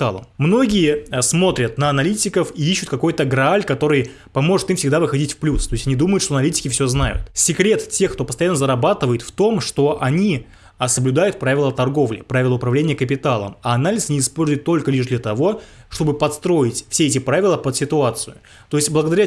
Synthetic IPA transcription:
a̰lˠə̰mmːno̞ɡʲɪjəsmo̞t̪ɾʲət̪nəɐnɐlʲitʲɪkəfiiɕːʊt̪̚kɐko̞jt̪əɡɾɐalʲkɐt̪o̞ɾɨj | pɐmo̞ʐɨt̪imfsʲɪɡd̪avɨxɐdʲitʲfplʲust̪o̞ɪsʲtʲɐnʲid̪uməjʊt̪ʂt̪oɐnɐlʲitʲɪ̥kʲɪfsʲoznajʊ̰t̪sʲɪkɾʲe̞t̪tʲe̞xkt̪opəst̪ɐjanːəzəɾɐbat̪ɨvəjɪt̪ft̪o̞mʂt̪o̞ʔɐnʲi | səblʲʊd̪ajʊt̪̚pɾavʲɪlˠət̪ɐrɡo̞vlʲɪ̰pɾavʲɪlˠəʊpɾɐvlʲenʲɪjəkəpʲɪt̪alˠə̰mɐɐnalʲɪsnʲɪɪspo̞lʲzʊjɪt̪ːolʲkəlʲiʂd̪lʲət̪ɐvo̞ʂt̪o̞bɨpɐt̪st̪ɾo̞ɪtʲfsʲeɛtʲɪpɾavʲɪlˠəpət̪sʲɪt̪ʊat̪sɨjʊ | t̪oɪsʲtʲblˠəɡəd̪ɐɾʲa

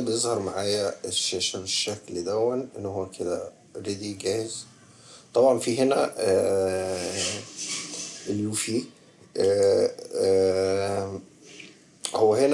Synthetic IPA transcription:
bjezˤhɑɾˤmaʕaːjæʃæʃæfeʃːækld̪æwːænʔenːohowːækʰed̪æ | ɾed̪iɡæːhez | t̪ˤɑbʕɑnfiɦenæ | ʔeljuːfi | howːæhen

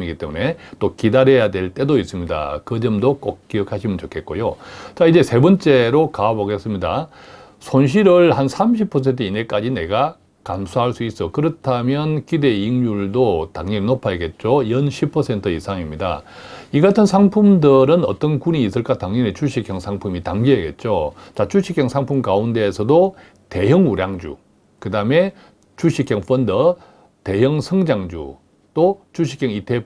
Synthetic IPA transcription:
iɡit͈e̞mune̞t͈okidaɾejadwe̞ɭt͈e̞dois͈ɯmɲida̰kɯd͡ʑʌmdok͈ok̚kiʌkʰaɕʰimɯnt͡ɕokʰe̞t̚k͈o̰jot͡ɕaid͡ʑe̞sʰe̞bʌnt͡ɕ͈e̞ɾokaːboɡe̞s͈ɯmɲida̰ | sʰonɕ̬ʰiɾɯɭhansʰamɕ̬ʰipʰʌs̬ʰentʰʌine̞k͈ad͡ʑine̞ɡa | kamsʰaɦaɭs͈uis͈ʌkɯɾʌtʰamjʌnkide̞iŋjuɭdotaŋɲʌɾinopʰajeɡe̞t̚t͡ɕ͈ojʌnɕʰipʰʌsʰe̞ntʰɯisʰaŋimɲida̰ | iɡatʰɯnsʰaŋpʰumdɯɾɯnʌ̰t͈ʌnkuɲiːs͈ɯɭk͈ataŋɲʌnet͡ɕuɕʰikʰjʌŋsʰaŋpʰumitaŋɡieɡe̞̰t̚t͡ɕ͈ot͡ɕat͡ɕuɕʰikʰjʌŋsʰaŋpʰumkaunde̞ːsʰʌdo | te̞jʌŋuɾjaŋd͡ʑṵ | kɯdame̞ | t͡ɕuɕʰikʰjʌŋfʰʌndʌ | te̞jʌŋsʰʌŋd͡ʑaŋd͡ʑṵ | t͈ot͡ɕuɕ̬ʰi̥kʰjʌŋitʰe

